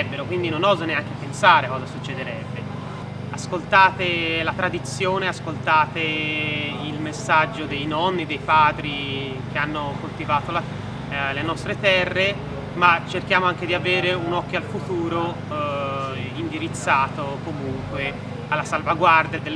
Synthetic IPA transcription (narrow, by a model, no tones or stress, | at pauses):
ɛbːeɾokwind̪inonɔːzoneaŋk̟epensaːɾekɔːzasut͡ʃːed̪eɾɛbːe | askolt̪aːt̪elat̪ɾad̪it̪sjoːneaskolt̪aːt̪e | ilmesad͡ʒːod̪ejnɔnːid̪ejpaːd̪ɾik̟eanːokolt̪ivaːt̪ola | lenɔst̪ɾet̪ɛrːe | mat͡ʃːerk̟jaːmoaŋk̟ed̪iaveːɾeunɔkːjoalfut̪uːɾo | ind̪iɾit̪sːaːt̪okomuŋkwe | alːasalvaɡward̪jad̪el